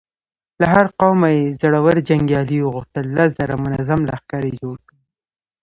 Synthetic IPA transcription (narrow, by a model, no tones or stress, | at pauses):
laɦaɾqawmajezaɽawəɾd͡ʒaŋɡjɑliwəɣʊxt̪əlːas̬zaɾamʊnazamlaxkɑɾid͡ʒoɽ